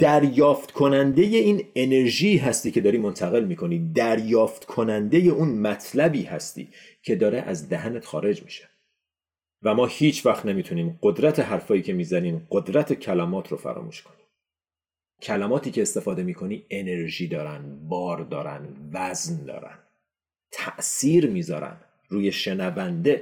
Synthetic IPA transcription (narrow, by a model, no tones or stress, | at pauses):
d̪̥æɾjɒːft̪kʰo̞nænd̪e̞je̞iːne̞ne̞ɾʒiːɦæst̪iːcʰe̞d̪ɒːɾiːmo̞nt̪ʰæɣe̞lmiːkʰo̞niːd̪æɾjɒːft̪kʰo̞nænd̪e̞je̞ʔuːnmæt̪ʰlæbiːhæst̪ḭː | cʰe̞d̪ɒːɾeʔæ̰zd̪æhænet̪xɒːɾe̞d͡ʒmi̥̰ʃe̥ | væmɒːhiːt͡ʃʰvæxt̪nemiːt̪ʰuniːmɢod̪ɾæt̪ʰe̞ɦæɾfɒːjiːcʰe̞miːzæniːmɢo̞d̪ɾæt̪ʰe̞cʰælæmɒːt̪ʰɾofæ̰ɾɒ̰ːmṵːʃkʰoni̥ːm | cʰælæmɒːt̪ʰiːcʰe̞ːst̪e̞fɒːd̪e̞miːkʰo̞niːe̞ne̞ɾʒiːd̪ɒːɾænd̪bɒːɾd̪ɒːɾæ̰nd̪væznd̪ɒ̰ːɾæ̰nd̪̥ | t̪ʰæʔsiːɾmiːzɒːɾæ̰nd̪ | ɾuːje̞ʃe̞nævænd̪e̞